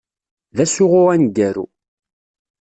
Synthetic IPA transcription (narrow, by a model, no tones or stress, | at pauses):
ðæsʊʁʊʁænɡæɾṵ